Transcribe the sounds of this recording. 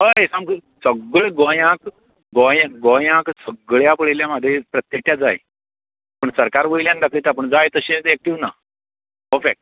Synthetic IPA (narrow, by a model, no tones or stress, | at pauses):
ɦəesãmksəɡɭɡojãk | ɡojãkɡojãksəɡɭjapəɭeljaməd̪ʱːjepɾət̪jək̚ʈjad͡za̰je | pəɳsəɾkaɾʋəjljãnd̪akʰəjt̪ap̬əɳd͡zajt̪əɕet̪ɛk̚ʈiʋna | pəɾfek̚ʈ̚